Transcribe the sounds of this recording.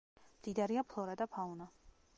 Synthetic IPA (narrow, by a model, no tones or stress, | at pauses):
md̪̥id̪aɾiapʰlˠɔɾad̪apʰauna